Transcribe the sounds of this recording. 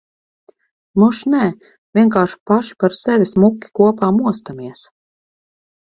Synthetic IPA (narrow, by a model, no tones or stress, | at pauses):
muʃnɛ | vʲiɛŋkaːʃu̥paʃi̥paɾsɛvʲismukʲːi̥kuɔpaːmuɔst̪amiɛs